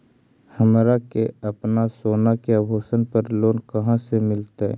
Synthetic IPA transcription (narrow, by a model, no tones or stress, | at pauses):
hɐmɾakeɐpnasoːnakeabʱoːsənpəɾloːnkɐɦãsemɪlt̪aɦɛ̰